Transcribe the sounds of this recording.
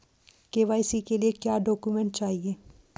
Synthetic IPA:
keːʋaːjsikeliekjaːɖɔːkumɛ̃ːɳʈ̚t͡ʃaːɦieː

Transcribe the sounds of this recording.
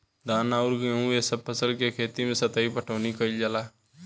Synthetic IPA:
d̪aːnaʊɾɡeũesəb̚pʰəsəlkekʰeːt̪imẽsət̪əipəʈʰəːnikəild͡ʒalaː

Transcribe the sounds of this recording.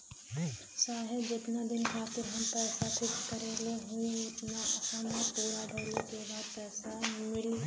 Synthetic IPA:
saːɦed͡ʒɪt̪nad̪ɪnkʰaːt̪ɪɾɦəmpɛːsakʰʊbkəɾeːleɦʊiʊt̪naʔɐsaːmapuːɾabʱəlikebaːd̪̚pɛːsamɪɽi

